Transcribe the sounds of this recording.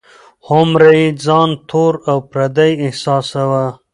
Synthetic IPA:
hʊmɾaid͡zɑnt̪ʰoːɾawpɾad̪ajɪhsɑːsawa

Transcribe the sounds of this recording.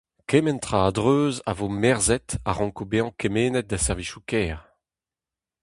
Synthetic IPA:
kɛmɛnt̪ʁaːadʁøːza̰voːmɛʁzɛt̪aʁɑ̃ŋkobeɑ̃kɛmeːnɛt̪̚d̪asɛʁviʃukɛːʁ

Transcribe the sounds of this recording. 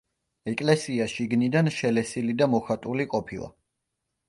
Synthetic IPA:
ɛkʼlɛsiaʃiɡnid̪anʃɛlɛsilid̪amɔχat̪ʼuliqʼɔpʰilˠa̰

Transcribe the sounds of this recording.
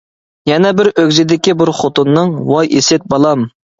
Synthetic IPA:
jɛnɛbɪɾʔøɡʲzɪd̪ɪkʲibuɾχot̪unːɨŋwɑjʔesɪt̪̚bɑlˠɑm

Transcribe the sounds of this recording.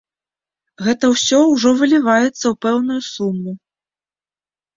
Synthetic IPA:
ɣɛt̪ɐwsʲɔwʐɔvɨlʲivajɛt̪sːɐwpɛwn̪ujusumːu

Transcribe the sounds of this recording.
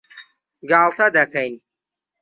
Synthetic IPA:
ɡaːlˠt̪ʰɐd̪ɐkɐjn

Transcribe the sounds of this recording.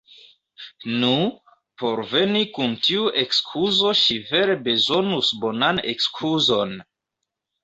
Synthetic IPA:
nu | po̞ɾve̞nikuntiuʔe̞kskʰuzo̞ʃive̞ɾe̞be̞zo̞nusbo̞nane̞̰kskʰuzo̞n

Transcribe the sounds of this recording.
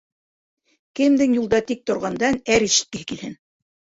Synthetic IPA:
kɘ̆md̪ɘŋjulˠd̪ɑt̪ik̚t̪ŏɾʁɑnd̪ɑnæɾiʃɘ̥̆t̪̚kɘ̆ɦɘkilhɘn

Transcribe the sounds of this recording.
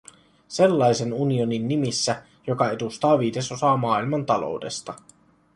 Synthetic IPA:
se̞lːɑjse̞nunio̞ninːimisːæ | jo̞kɑe̞d̪ust̪ɑːʋiːde̞so̞sɑːmɑːilmɑnt̪ɑlo̰wde̞st̪ɑ

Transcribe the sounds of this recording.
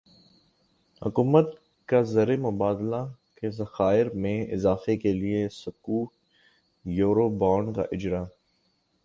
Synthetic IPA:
hʊ̰kuːmət̪ | kazɐɾemʊbaːd̪lakezɐxaːɪɾmẽɪ̰zaːfekeliesʊkuːʈ̚ | joːɾobɔːɳka̰ʔɪd͡ʒɾa

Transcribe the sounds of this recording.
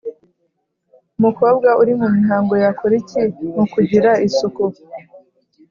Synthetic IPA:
umukoːb̚ɡaʔuɾimumiɦaːŋɡo̞jakuɾicimukuɟiɾaisuku

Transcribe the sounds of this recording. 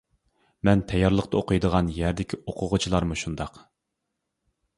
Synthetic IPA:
mɛnt̪ʰɛjɑɾlˠəqt̪ɑoqʰɨjd̪əʁɑnjæɾd̪ɪkʲʰioqʰʊʁʊt͡ʃʰilˠɑɾmuʃund̪ɑq

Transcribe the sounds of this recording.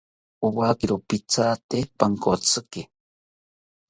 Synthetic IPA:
uwaːkiɾopit͡saːt̪epaŋkot͡sɨke

